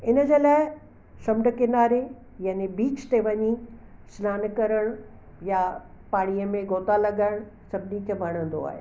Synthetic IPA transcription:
ɪnə̆d͡ʑeːlaːɪ | sɐmɖəkɪnaːɾe | jaːnebiːt͡ɕt̪eʋɐɲi | slaːnkɐɾəɽ̃ | ja | paːɽijəmẽɡʱoːt̪alɐɠəɽ̃sɐbnikʰebʱɐɽ̃ə̃nd̪o̰a̰ːɦḛː

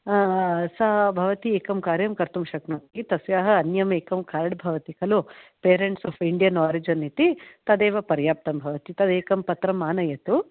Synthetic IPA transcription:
sɐbʱɐʋɐt̪ieːkɐmkaːɾjɐmkɐɾt̪umʃɐknɐnk̪it̪ɐsjaːɦɐɐnjɐmeːkɐmkʰaːɾɐɽbʱɐʋɐt̪ikɐlupeːɾeɳʈsɔːfiɳɖijɐnaːɾid͡ʒɐnit̪it̪ɐd̪eːʋɐpɐɾjaːp̚t̪ɐmbʱɐʋɐt̪it̪ɐd̪eːkɐmpɐt̪ɾɐmaːnɐjɐt̪u

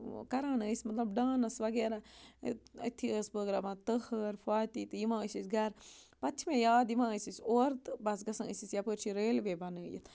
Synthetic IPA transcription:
kɐɾaːnəːsʲmɐt̪lɐbɖaːnɐsʋɐɡeːɾa | ɐ̰t̪ʰːiəsbəːɡɾaʋãt̪əhəɾfʰaːt̪it̪ɨjimãːəsʲisɡɐɾpɐt͡ʃʰmẽjaːd̪jimãːəsʲisʲoːɾt̪bɐsɡɐsɐ̃ə̰sisjapəːɾt͡ʃʰiɾeːlʋeːbɐnəjḭt̪ʰ

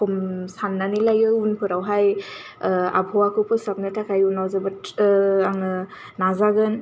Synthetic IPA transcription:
kʰɔmsanːanilajɯunpʰɯɾawɦaj | a̰bʱɔwakʰɯpʰɯsap̚nɯtʰakʰajunawzɯbɯtaŋɯnazaɡɯn

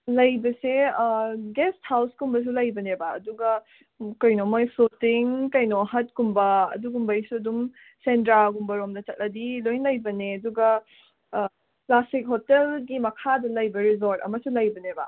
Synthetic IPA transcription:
lɐjbɐse | ɡest̚hawskumbɐs̬ulɐjbɐneba̰ːduɡɐ | kɐjnomojpʰutiŋkɐjnoɦɐt̚kumbɐɐ̰duɡumbɐjsuɐdum | sentɾaɡumbɐɾomdɐt͡ʃɐt̚lʔɐdilojnlɐjbɐneɐduɡɐ | plastik̚ɦotelɡimɐkʰadɐlɐjbɐɾizoɾtɐ̰mɐsulɐjbɐnebɐ

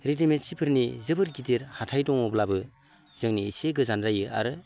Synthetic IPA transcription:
ɾitemen̚sipʰɯɾnizɯbɯɾɡidiɾhatʰajdɔŋɔblabɯ | zɯŋniːseɡɯzanɾajɯʔa̰ɾɯ

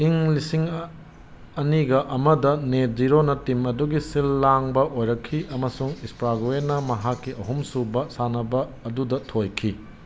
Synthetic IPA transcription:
iŋlisiŋ | ɐniɡɐʔɐmɐdɐneziɾonɐtimɐduɡisilːaŋbɐʔojɾɐkʰːiʔɐmɐsuŋispɾaɡoenɐmɐɦakːiɐɦumsubɐsanɐbɐːdudɐtʰojkʰi

